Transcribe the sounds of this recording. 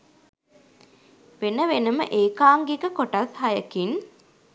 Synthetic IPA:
ʋenəʋenəmə̰ʔeːkaːŋɡeɡəkoʈɐthɐjəkin

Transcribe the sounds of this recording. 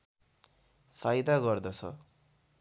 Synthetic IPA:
pʰajd̪aɡʌrd̪ʌt͡sʰʌ̰

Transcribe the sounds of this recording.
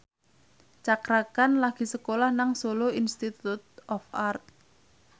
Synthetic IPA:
t͡ʃakɾakanlaɡ̥i̤səkolahnaŋsoloinst̪it̪ut̪̚ɔfart̪̚

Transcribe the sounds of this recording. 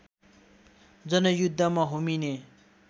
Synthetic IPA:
d͡zʌnʌjud̪ʱːʌmaɦomine

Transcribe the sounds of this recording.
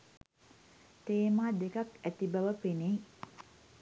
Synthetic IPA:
t̪eːmaːd̪ekakæt̪ibaʋəpene

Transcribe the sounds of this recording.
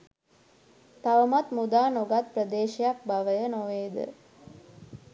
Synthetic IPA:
t̪aʋəmat̪mud̪aːnoɡat̪̚prəd̪eːʃijak̚baʋəjənoʋeːd̪ə̰

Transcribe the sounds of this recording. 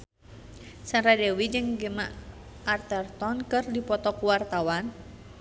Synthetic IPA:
sanɾadɛwid͡ʒɨŋɡəma̰ʔ | ʔart̪ɛrt̪ɔnkɨrdipɔt̪ɔkuwart̪awan

